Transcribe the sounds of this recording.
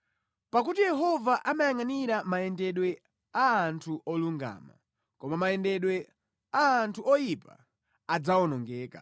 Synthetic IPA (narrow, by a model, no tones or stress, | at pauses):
pak̬utijɛɦɔvaʔamajaŋaniɾamaɛndɛɗwɛ | aːntʰuʔɔluŋɡa̰ːma̰ | kɔmamajɛndɛɗwɛ | aːntʰuʔɔjipa̰ | ad͡zaɔnɔŋɡɛːka̰